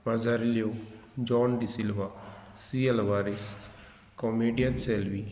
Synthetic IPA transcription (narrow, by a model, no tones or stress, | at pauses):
bɐzaɾiljod͡ʒɔːnd̪isilʋasielʋaːɾis | komeɖijɐnselʋi